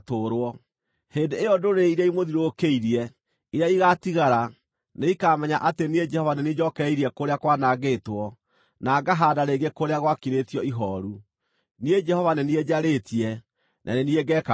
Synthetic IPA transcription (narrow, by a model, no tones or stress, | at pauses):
toːɾwɔ | heːndeːjɔdoɾeiɾaimoðiɾokeiɾiɛ | iɾaiɣatiɣaɾa | neikaːmɛɲaʔatenied͡ʒɛhɔvanɛnid͡ʒɔkɛiɾiɛkoɾeakwanaːɣetwɔ | naːɡaɦadaɾeɡekoɾeaɣwakiɾetiɔiɦɔɾu | nied͡ʒɛhɔvanɛnied͡ʒaɾetiɛ | nʔa̰nenieɡɛka